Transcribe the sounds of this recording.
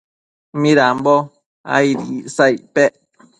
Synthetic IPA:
miɾam̩bɔ | a̰iɾiiʔsajʔpɛʔ

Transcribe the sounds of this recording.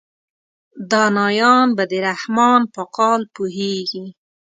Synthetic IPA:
d̪ɑnɑjɑnbad̪əɾahmɑnpəqɑlpuɦeɡi

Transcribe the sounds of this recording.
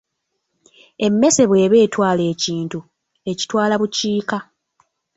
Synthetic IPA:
e̞mːe̞se̞βwe̞ːβe̞ːtwaːle̞ːciːntu | e̞ci̥twaːlaβuciːka

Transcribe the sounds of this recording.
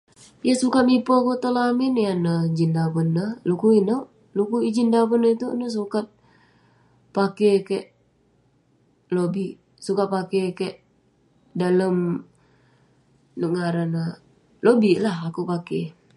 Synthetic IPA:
jəsukat̪̚mipokut̪əlaminjanəd͡ʒindabənːəlukuinəʔ | lukuid͡ʒindabənːəit̪unəs̬ukat̪̚ | pakekeʔ | lobiʔ | sukat̪̚pakekəʔ | daləm | nəʔŋaɾanə | lobiʔlahakupake

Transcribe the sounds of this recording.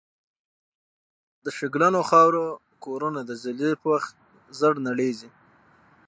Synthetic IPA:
d̪əʃɪɡlanoxɑwɾo | koɾunad̪əzɪlepəwaxt̪̚ | zəɽnaɽezi

